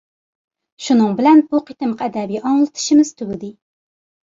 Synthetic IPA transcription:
ʃunɨŋbɪlɛnbuqʰit̪ɨmqʰɛd̪ɛbijɑŋlˠɨt̪ʰɨ̥ʃimɨz̥t̪ʰuwɪd̪ɪ

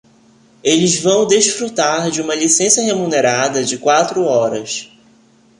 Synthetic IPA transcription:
elɪzvɐ̃w̃d̪eʃfɾut̪aɾd͡ʒɪũmɐlisẽsɐɦemũneɾad̪ɐd͡ʒɪkwat̪ɾʊɔɾɐs

